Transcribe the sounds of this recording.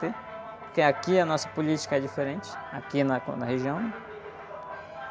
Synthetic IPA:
t̪e | pʊɾkeakiɐnɔsɐ̥polit͡ʃi̥kɐɛd͡ʒifeɾẽnt͡ʃɪ̥akinɐknɐheʒiɐ̃w̃nɛ̃

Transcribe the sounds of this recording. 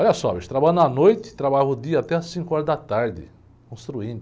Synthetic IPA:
ɔʎɐsɔveʃt̪ɾabanɐnojt̪ɪ̥t̪ɾabaʎʊd̪iɐat̪ɛɐsĩkʊɔɾɐzd̪ɐt̪aɾd̪ɪ̰ | kõst̪ɾuĩnd̪ʊ

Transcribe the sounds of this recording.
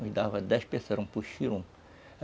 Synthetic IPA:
ʊʒd̪avɐd̪ɛʃpesɐɾɐ̃puʃiɾũ

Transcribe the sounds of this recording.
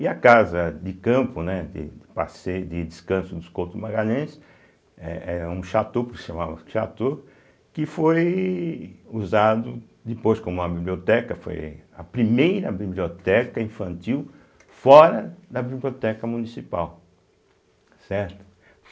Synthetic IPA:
ɪɐkazɐd̪ɪkɐ̃mpʊnɛd̪ɪ̰pa̰sed̪ɪd̪ɪskɐ̃sʊd̪ʊskowt̪ʊmaɡaʎẽsɪ | ɛ̰ɛũʃat̪opʊkɪ̥ʃɐ̃mavɐʃat̪o | kɪfoj | uzad̪ʊ | d̪ɪpojskõmũɐbibliot̪ɛkɐfo̰jɐ̰pɾimejɾɐbibliot̪ɛkɐĩfɐ̃nt̪iw | fɔɾɐd̪ɐbibliot̪ɛkɐmunisipaw | sɛɾt̪ʊ̥

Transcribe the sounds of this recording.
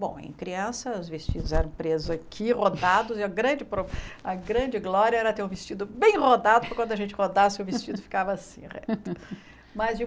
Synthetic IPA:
bõ̰w̃ḛ̃j̃kɾiɐ̃sɐʊzvest͡ʃid̪ʊzɛɾɐ̃w̃pɾezʊzakʰihod̪ad̪ʊzɪɐɡɾɐ̃d͡ʒɪpɾoɐɡɾɐ̃d͡ʒɪɡlɔɾiɐɛɾɐt̪eɾũvest͡ʃid̪ʊbẽj̃ʁod̪ad̪ʊpɾɐkwɐ̃nd̪ʊɐʒẽnt͡ʃɪhod̪asɪʊvest͡ʃid̪ʊfi̥kavɐasḭ̃ʁɛ̰t̪ʊ | mɐzd͡ʒɪ

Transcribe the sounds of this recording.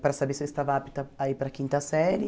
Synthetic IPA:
pɾasabesist̪avapit̪aaipɾakĩnt̪asɛɾj

